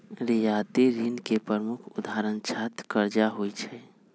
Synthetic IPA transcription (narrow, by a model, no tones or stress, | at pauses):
ɾijad̪iɾinkepɾəmukʰud̪aɾənt͡ʃʰat̪kəɾd͡ʒaɦojt͡ʃʰɛ